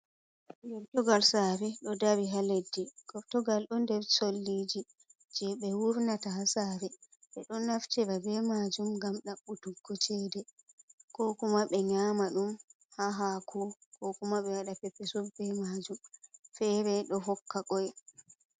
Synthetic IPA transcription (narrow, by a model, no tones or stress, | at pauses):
jɔɾtɔɡalsaːɾɛɗɔdaɾiɦaledːiɡ̥ɔɾtɔɡalɗɔndɛɾsolːid͡ʒi | d͡ʒɛɓɛwuɾnatahasaːɾɛ | ɓɛɗɔnːaft͡ʃɛɾabɛmad͡ʒumŋɡamɗaɓutuɡːɔt͡ʃɛdɛ | kɔkumaɓɛɲaːmaɗum | haɦakʰɔkɔkumaɓɛwaɗapɛpːɛsubɛmad͡ʒumfɛɾɛɗɔɦɔkːakɔj